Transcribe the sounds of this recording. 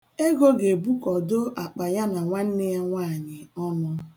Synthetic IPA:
e˦ɡo˦ɡe˨bu˦kɔ˨do˦a˨k͡pa˨ja˦na˨ŋʷa˦n̩˦ne˦ja˦ŋʷaː˦˨ɲɪ˨ɔ˦nʊ˦

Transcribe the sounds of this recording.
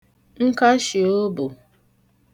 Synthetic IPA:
ŋ̩˦ka˦ʃi˨o˦bʊ˨

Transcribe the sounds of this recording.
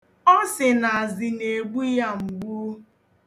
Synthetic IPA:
ɔ˦sɪ˨na˨a˨zɪ˨ne˨ɡ͡bu˦ja˦ŋ͡m̩˨ɡ͡bu˦

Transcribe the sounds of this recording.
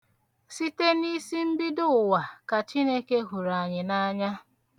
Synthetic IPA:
si˦te˦ni˦si˦m̩˦bi˦dʊ˦˨wa˨ka˨t͡ʃi˦ne˦ke˦ɦu˨ɾa˨ɲɪ˨na˦ɲa˦

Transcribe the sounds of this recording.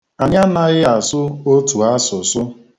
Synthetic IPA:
a˨ɲa˦na˦ɣɪ˦a˨sʊ˦o˦tu˨a˦sʊ˨sʊ˦

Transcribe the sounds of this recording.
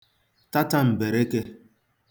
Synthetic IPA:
ta˦ta˦m̩˨be˨ɾe˦ke˦

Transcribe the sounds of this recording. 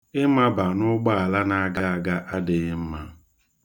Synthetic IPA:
ɪ˦ma˦ba˨nʊ˦ɡ͡ba˦a˨la˦na˦a˦ɡa˦a˨ɡa˦ʔa˦dɪ˨ɣɪ˦m̩˦ma˦

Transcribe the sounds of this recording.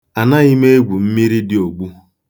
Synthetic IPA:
a˨na˦ɣi˦me˦e˦ɡʷu˨m̩˦mi˦ɾi˦dɪ˦o˨ɡ͡bu˦

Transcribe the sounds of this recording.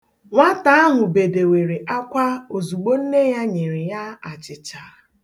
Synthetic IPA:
ŋʷa˦ta˦a˦ɦʷʊ˨be˨de˨we˨ɾe˨ʔa˦kʷa˦o˨zu˨ɡ͡bo˦n̩˦ne˦ja˦ɲe˨ɾi˨ja˦a˨t͡ʃɪ˨t͡ʃa˨

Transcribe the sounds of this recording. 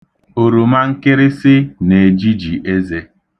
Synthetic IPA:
o˨ɾu˨ma˦ŋ̩˦kɪ˦ɾɪ˦sɪ˦ne˨d͡ʒi˦d͡ʒi˨ʔe˦ze˦

